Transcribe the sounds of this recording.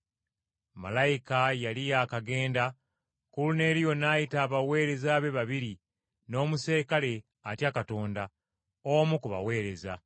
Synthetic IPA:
ma̰lajikajalijaːkaɡe̞ːnda | kulune̞ːɾijo̞naːjitaːβawe̞ːɾe̞zaβe̞βaβiɾi | noːmuse̞ːkale̞ | atjakato̞ːnda | omukuβa̰we̞ːɾe̞za̰

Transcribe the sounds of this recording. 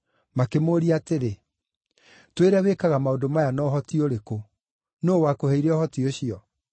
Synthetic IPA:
makemoːɾiateɾe | tweɾawekaɣamaodomajanɔːɦɔtioɾeko | noːwakohɛiɾɛɔhɔtioɕiɔ

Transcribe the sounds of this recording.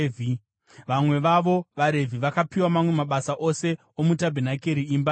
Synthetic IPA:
vi | ʋamwe̞ʋaʋo̞ʋaɾe̞vʱiʋakapiwamamwe̞maɓasaʔose̞ | omutabʱenake̞ɾiːmba

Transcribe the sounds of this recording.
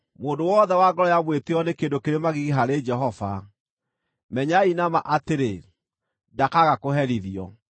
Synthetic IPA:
moːndowɔðɛwaɡɔɾɔjaβweteɔnekendokeɾemaɣiɣiɦaɾed͡ʒɛɦɔva | mɛɲainamaʔateɾe | dakaɣakoɦɛɾiðiɔ

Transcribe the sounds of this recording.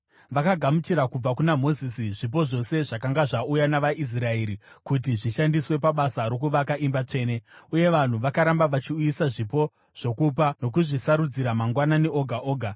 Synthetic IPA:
ʋakaɡʱamut͡ʃiɾakub͡vakunamo̞zisiʐip̬o̞ʐo̞se̞ʐakaŋɡaʐaujanaʋaʔis̬rae̞ːɾikut̬iʐiʃandiswe̞paɓasaɾo̞k̬uʋakaʔimbat͡ʂe̞ːne̞uje̞ʋan̤uʋakaɾambaʋat͡ʃiujisaʐipo̞ | ʐ̥o̞kup̬ano̞k̬uʐisaɾud͡ziɾamaŋɡwananeʔo̞ɡʱaʔoːɡʱa

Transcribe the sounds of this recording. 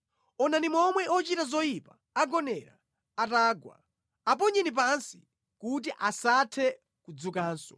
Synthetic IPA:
ɔnanimɔmwɛʔɔt͡ʃitazɔjipaːɡɔnɛɾa̰ | ataːɡwa̰ | ap̬ɔɲɛnip̬ansi̥ | kut̬iʔasatʰɛ | kud͡zukaːnsɔ̥

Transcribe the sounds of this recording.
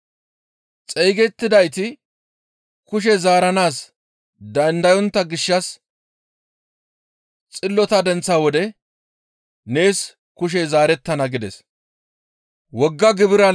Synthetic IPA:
t͡sʼɛjɡɛt̪ːɪd̪ɐjt̪ɪ | kʊʃ̬ɛzaːɾɐnaːs | d̪ɐnd̪ɐjɔnt̪ːɐɡɪʃːɐs | t͡sʼɪlːɔt̪ɐd̪ɛnt͡sːawɔd̪ɛ | ne̞ːs | kʊʃ̬ɛzaːɾɛt̪ːɐnɐɡɪd̪ɛ̰s | wɔɡːɐɡɪbɪɾɐ

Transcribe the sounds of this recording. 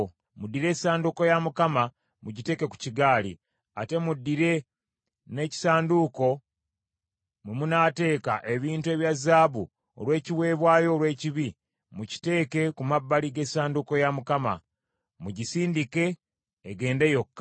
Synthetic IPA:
mudːiɾe̞ːsaːnduko̞jamukama | muɟite̞ːke̞ku̥ciɡaːlḭ | a̰te̞mudːiɾe̞ | ne̞ci̥saːnduko̞ | mumunaːte̞ːkaʔe̞βiːntue̞βjazaːβu | o̰lwe̞ːciwe̞ːβwaːjo̞ːlwe̞ːciβi | muci̥te̞ːke̞kumabːaliɡe̞ːsaːnduko̞jamukama̰ | muɟisiːndike̞ː | ɡe̞ːnde̞jo̞kːa

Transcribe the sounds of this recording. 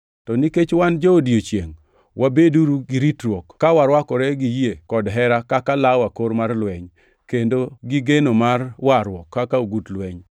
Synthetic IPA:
tɔniket͡ʃwand͡ʒoodiot͡ʃjḛŋ | wʔabeduɾuɡiɾitɾwɔkːawaɾwakɔɾɛɡijekɔdɦɛɾakakalawakoɾmarlwɛɲ | kendoɡɪɡenomarwaɾwɔkʰːakaoɡutlwɛɲ

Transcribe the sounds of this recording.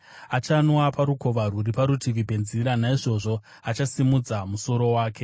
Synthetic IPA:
at͡ʃanwapaɾuko̞ʋaruripaɾutʰiʋipe̞nziɾanaiʐo̞ʐo̞ | at͡ʃasimud͡zamuso̞ɾo̞waːkʰe̞

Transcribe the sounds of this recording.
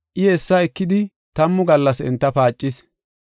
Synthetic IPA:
ʔɪhɛsːɐɛkːɪd̪ɪ | t̪ɐmːʊɡɐlːɐsɛ̰nt̪ːɐpaːt͡ʃʼːɪs

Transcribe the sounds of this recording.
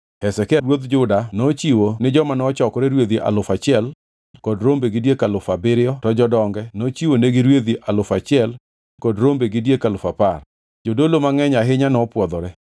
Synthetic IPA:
hɛsɛkɛɾwod̪d͡ʒʊdanot͡ʃiwonɪd͡ʒɔmanɔt͡ʃɔkɔɾɛɾwed̪iʔa̰lʊfat͡ʃɪɛl | kɔdɾombeɡɪdjekalʊfabɪɾɪɔtɔd͡ʒɔdɔŋɡɛnot͡ʃiwoneɡiɾwed̪iʔalʊfat͡ʃɪɛl | kɔdɾombeɡɪdjekalʊfapar | d͡ʒodolomaŋɛɲaɦɪɲanɔpwɔd̪ɔɾɛ

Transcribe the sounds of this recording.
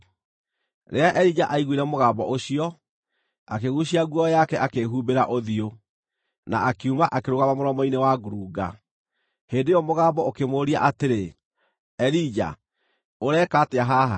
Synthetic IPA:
ɾeaʔɛɾid͡ʑaʔaiɣwiɾɛmoɣaːbɔʔoɕiɔ | akeɣuɕiaɣwɔjakɛʔakeɦuːbeɾaʔoðio | naakeumaʔakeɾoɣaβamoɾɔmɔinewaɡuɾuːɡa̰ | heːndejɔmoɣaːbɔokemoːɾia̰ʔateɾe | ɛɾid͡ʒa̰ | oɾɛːkaːteaɦaɦa

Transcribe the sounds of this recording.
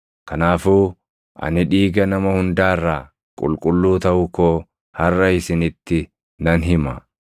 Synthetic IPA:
kɐnaːfuː | ʔɐ̰nɪᶑiːɡɐnɐmɐhʊnd̪aːrːaː | kʼʊ̰lkʼʊlːuːt̪ɐʔʊkːoː | hɐrːɐɪsɪnɪt̪ːɪ | nɐnɦɪmɐ

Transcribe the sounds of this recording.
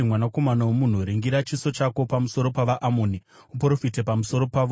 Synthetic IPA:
mwanako̞manawomun̤uɾiŋɡiɾat͡ʃiso̞t͡ʃako̞pamuso̞ɾo̞paʋaʔamoːni | upro̞fite̞pamuso̞ɾo̞paːʋo

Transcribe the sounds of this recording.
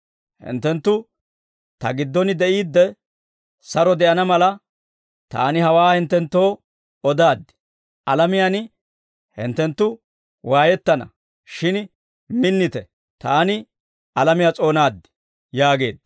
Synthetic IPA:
hɪ̰nt̪ːɛnt̪ːʊ | t̪ɐ̰ɡɪd̪ːɔnɪd̪ɛʔiːd̪ːɛ | sɐɾɔd̪ɛʔɐnɐmɐlɐ | t̪a̰ːnɪhɐwaːhɪnt̪ːɛnt̪ːo̞ː | ɔd̪aːd̪ːɪ̥ | ʔɐlɐmɪjan | hɪ̰nt̪ːɛnt̪ːʊ | waːjɛt̪ːɐnɐ̰ | ʃɪn | mɪnːɪt̪ɛ | t̪aːnɪ | ɐlɐmɪjat͡sʼo̞ːnaːd̪ːɪ̥ | jaːɡe̞ːd̪̚

